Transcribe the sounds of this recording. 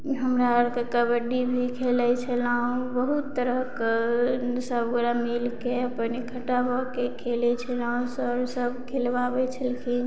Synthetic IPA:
ɦəmɾaəɾkekəbəɖibʱikʰelɛt͡ʃʰəlaɦũbəɦut̪ːəɾəɦk | səbəɡɾamilkeəpənekʰəʈabʱɔkekʰelɛt͡ʃʰəlaɦũsəɾsəbʱkʰelʋabet͡ʃʰəlkʰi

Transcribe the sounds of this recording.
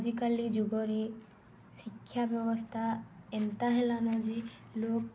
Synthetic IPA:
d͡ʒikalid͡ʒuɡɔɾi | sikʰːjabjɔbɔst̪ʰaɛnt̪aɦelanɔd͡ʒi | lok̚

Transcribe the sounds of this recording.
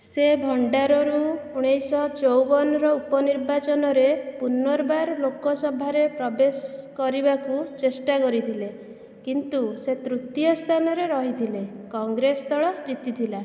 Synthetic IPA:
sebʱɔɳɖaɾɔɾuuɽ̃ejsɔt͡ʃowbɔnɔɾɔupɔniɾbat͡ʃɔnɔɾepunɔɾbaɾlokɔsɔbʱaɾepɾɔbeskɔɾibakut͡ʃesʈakɔɾit̪ʰile | kint̪uset̪ɾut̪jɔst̪ʰanɔɾeɾɔɦit̪ʰilekɔŋɡɾest̪ɔɭɔd͡ʒit̪it̪ʰila

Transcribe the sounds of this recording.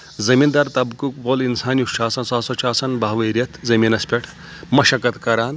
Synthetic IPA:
zɐmiːnd̪ɐɾt̪ɐbkukboːlinsaːnjuʃaːsɐnsaːsɐt͡ʃaːsɐnbʱaɦʋɐɾjɐt̪ʰzɐminɐspʲeʈʰ | mɐʃɐkɐt̪kɐɾaːn

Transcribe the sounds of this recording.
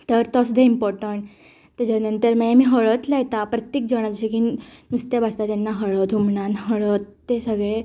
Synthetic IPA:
t̪əɾt̪ɔsud̪ʱeimpɔɾʈəɳʈ | t̪əd͡ʑaɾnənt̪əɾmajemiːɦəɭət̪lɛjt̪apɾət̪jek̚d͡ʑəɽ̃ad͡ʑt͡ɕikiːnust̪ebast̪at̪enːaɦəɭət̪umɳãnɦəɭət̪ːesəɡɭe

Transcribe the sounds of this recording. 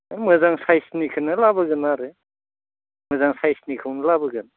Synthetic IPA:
mɯzaŋsajsnikʰɯnɯlabɯɡɯnaɾɯ | mɯzaŋsajsnikʰɯwnɯlabɯɡɯn

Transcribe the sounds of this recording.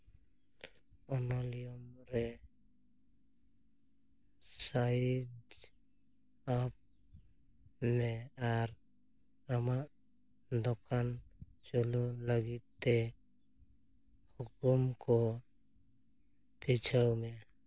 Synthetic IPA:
ɔnɔlijɔmɾɛ | sad | ap̚ | mɛaɾ | amaʔ | d̪ɔkant͡ʃɔluləɡit̪̚t̪ːɛ | hukumkɔ | pʰit͡ʃʰawmɛ

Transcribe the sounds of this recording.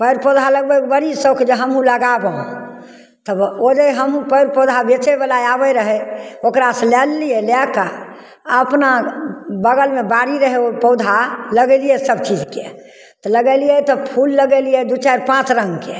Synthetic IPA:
pəɪɾpod̪ʱaləɡbɛbəɾisəwkd͡ʒeɦəmɦũləɡabə̃ | t̪əod͡ʒəɦəmɦũpəɪɾpɔd̪ʱabet͡ʃɛbəlajabəɾəɦɛokɾaselɛlːijɛlɛka | əpnabəɡəlmebaɾiɾəɦɛopəd̪ʱaləɡɛlijɛsəbt͡ʃid͡ʒke | t̪ɔləɡɛlijɛt̪ɔpʰulːəɡɛlijɛd̪ut͡ʃaɾpãt͡ʃɾə̃ŋɡke

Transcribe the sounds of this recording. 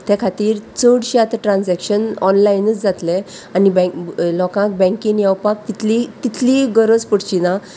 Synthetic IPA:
t̪ʰjakʰat̪iːɾt͡səɽɕiat̪aʈɾãnd͡zɛkɕənɔ̰nlajnət͡sd͡zat̪le | anibɛ̃lɔkãk̚bɛ̃ŋkĩnjawpak̚t̪it̪ʰlit̪it̪ʰliɡəɾəd͡zpəɽt͡ɕinã

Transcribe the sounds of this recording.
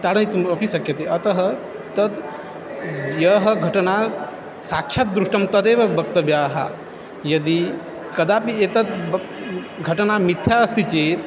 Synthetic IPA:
t̪aːɽɐnit̪umɐpisɐkjɐt̪eɐt̪ɐɦɐ | t̪ɐd̪ | jɐɦɐɡʱɐʈɐna | saːkʃʰɐt̪̚d̪ɾuʂʈɐmt̪ɐd̪eːʋɐbʱɐkt̪ɐbjaːɦa̰ | jɐd̪i | kɐd̪aːpiet̪ɐt̪ | ɡʱɐʈɐnamit̪ʰjaɐst̪it͡ʃeːt̪

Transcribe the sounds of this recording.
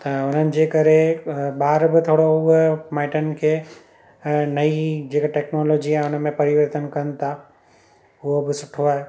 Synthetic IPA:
t̪ɐʊn̤ənɪ̆d͡ʑekɐɾeɓaːɾbɪt̪ʰoːɽoʊɦmaːɪʈənkʰe | nɐid͡ʑeːkaʈeːknɔːloːd͡ʑiaːʊnəmẽpɐɾɪʋəɾt̪ənkɐnɪ̆t̪ʰa | ʊɦobɪsʊʈʰoaːɦe

